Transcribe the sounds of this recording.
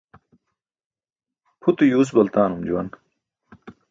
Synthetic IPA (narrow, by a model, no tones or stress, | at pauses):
pʰut̪ujuːs̬bɐlt̪aːnumd͡ʑuwɐ̰n